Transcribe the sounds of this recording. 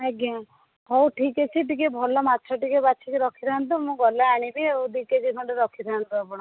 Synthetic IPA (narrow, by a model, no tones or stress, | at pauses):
eɡa | ɦɔwʈʰiket͡ʃʰiʈikebʱɔlɔmatːt͡ʃʰɔʈikebaːt͡ʃʰikeɾɔkʰiɾʰaant̪umũɡɔlaaɽ̃ibioud̪iked͡ʒikʰɔɳɖeɾɔkʰiɾʰaant̪uapɔɽ̃ɔ